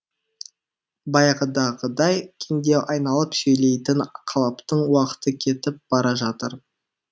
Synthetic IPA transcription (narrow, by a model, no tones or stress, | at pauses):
bɑjqəd̪ɑʁəd̪ɑjkʲʰeŋd̪e̞wʔɑjnɑlˠəpsɵjle̞jt̪ɪnqʰɑlˠɑpt̪əɴwɑqə̥t̪əkʲʰe̞t̪ɪp̚b̥ɑɾɑʒɑt̪əɾ